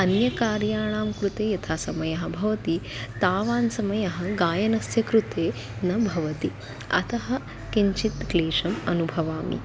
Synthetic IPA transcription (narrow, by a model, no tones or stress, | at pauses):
ɐnjɐkaːɾjaːɳ̃aːmkɾut̪eːjɐt̪ʰaːsɐmɐjɐɦɐ̆bʱɐʋɐt̪it̪aːʋaːnsɐmɐjɐɦɐ̆ɡaːjɐnɐsjɐkɾut̪eː | nɐbʱɐʋɐt̪i | ɐ̰t̪ɐɦɐ̆ | kiɲt͡ʃit̪ɡleːʂɐmɐnubʱɐʋaːmḭ